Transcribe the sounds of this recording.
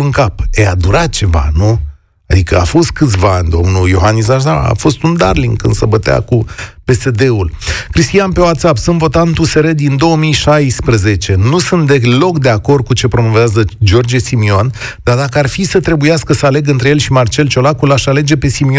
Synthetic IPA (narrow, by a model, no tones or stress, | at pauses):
ɨŋkapead̪uɾat̪̚t͡ʃe̞va̰nu | ad̪ikəa̰fo̞st̪̚kɨt̪sʲvaanʲd̪o̞mnujo̞ɦanːis̬aʃnaa̰fo̞st̪und̪arliŋɡkɨ̰nd̪səbət̪ea̰kupe̞se̞d̪e̞ulkɾist̪ijanpe̞wat̪sapsɨnvo̞t̪ant̪use̞ɾed̪ind̪o̞wəmijʃajspɾəze̞t͡ʃe̞nusɨnt̪̚d̪e̞klo̞kd̪e̞ako̞rd̪̚kut͡ʃe̞pɾo̞mo̞veazəd͡ʒo̞rd͡ʒesimiond̪̥ard̪akəarfisət̪ɾe̞bujaskəsəale̞ɡɨnt̪ɾejelʃimart͡ʃe̞lt͡ʃo̞lakulaʃale̞d͡ʒe̞pe̞simi